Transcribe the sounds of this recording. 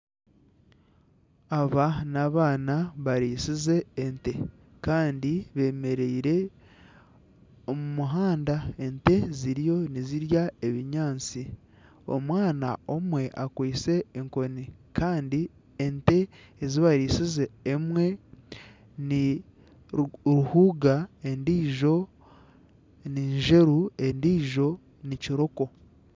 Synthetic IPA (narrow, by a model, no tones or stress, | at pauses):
aβanaβaːnaβaɾiːsize̞ːnte̞ | kaːndiβe̞ːme̞ɾeiɾe̞ | omumuɦaːndae̞nte̞ziɾijo̞niziɾjae̞βiɲaːnt͡si | o̞̰mwaːna̰o̞mwe̞ʔakwiːse̞ːŋko̞nikaːndi | ente̞ː | ziβaɾiːsizeːmwe̞ | ni | ɾuhuːɡaendiːʒo̞ | niːɲʒe̞ɾue̞ndiːʒo̞ | niciɾo̞ko̞